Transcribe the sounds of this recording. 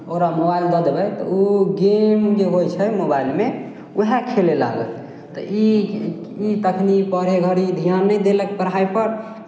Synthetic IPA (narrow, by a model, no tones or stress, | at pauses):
oɾamobaild̪əd̪bɛt̪ɔ̰uɡemkeɦojt͡ʃʰəmobajlme | uɦekʰelela̰ɡə̰t̪ | t̪ɔ̰ʔi | it̪əkʰnipəɾeɡʱəɾid̪ʱijanːɛjd̪elɛkpəɾ̤ajpəɾ